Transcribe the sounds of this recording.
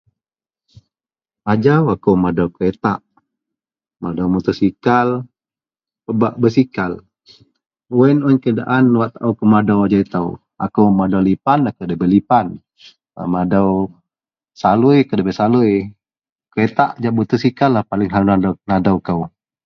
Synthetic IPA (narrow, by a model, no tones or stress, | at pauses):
ad͡ʒawakəwmadawkəet̪aʔ | madawmut̪usikal | pəbaʔbəsikal | uwɛnɔɲkəda̰ʔanwaʔt̪aʔuwkəmadawad͡ʒait̪aw | a̰kəwmadawlipanakəwdəbɛlipan | ə̰madaw | salujkədəbɛsaluj | kəet̪aʔd͡ʒaʔbut̪usikalahpalɪŋɦanadanadawkəw